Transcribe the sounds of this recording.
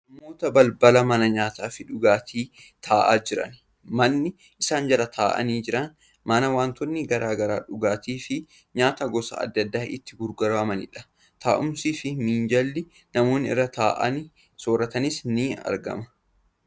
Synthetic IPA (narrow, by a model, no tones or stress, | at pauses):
nɐmoːt̪ɐbɐlbɐlɐmɐnɐɲaːt̪aːfɪᶑʊɡaːt̪ʰiː | t̪ʰaːʔa̰ːd͡ʒɪɾɐ̰n | mɐnːɪ | ʔɪsaːnd͡ʒɐɾɐt̪ʰaːʔɐ̰niːd͡ʒɪɾɐn | mɐnɐwaːnt̪ɔnːɪɡɐɾaːɡɐɾa̰ːᶑʊɡaːt̪iːfɪ | ɲaːt̪aɡɔsɐ̰ɐ̰d̪ːɐd̪ːaːʔɪt̪ːɪɡʊɾɡɐɾɐmɐnɪ̰ᶑɐ̥ | t̪ʰaːʔʊmsiːfɪmiːnd͡ʒɐlːɪ | nɐmo̞ːnːɪɪ̰rːɐt̪aːʔɐ̰nɪ | soːɾɐt̪ɐnɪsniːɐ̰ɾɡɐ̰mɐ̥